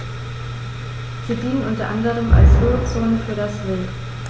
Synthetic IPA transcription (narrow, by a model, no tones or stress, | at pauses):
z̥iːdiːən̩ʔʊntɐʔandəʁəmʔa̰lshøːʁot͡soːnəfyːɐɾasvɪl